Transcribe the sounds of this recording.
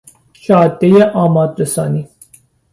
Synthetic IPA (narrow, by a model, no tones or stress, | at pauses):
ʃɒːd̪ːejeʔɒːmɒːd̪ɾesɒːniː